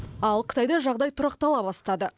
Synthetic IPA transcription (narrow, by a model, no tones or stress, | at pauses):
ɑlˠqʰə̥t̪ɑjd̪ɑʒɑʁd̪ɑjt̪ʰʊɾɑq̚t̪ɑlˠɑbɑst̪ɑd̪ə